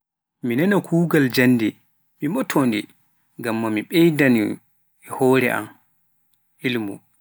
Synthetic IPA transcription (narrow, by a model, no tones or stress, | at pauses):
minɛnakʰuːɡald͡ʒanːdɛ | mimɔtʰɔndi | ŋɡamːamiɓɛjdani | ɛhɔːɾɛ̰ʔa̰m | ilmṵ